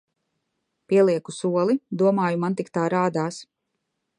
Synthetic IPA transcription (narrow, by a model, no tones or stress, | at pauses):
piɛlˠiɛkusuɔlˠid̪uɔmaːjumant̪ikt̪aːɾaːd̪aːs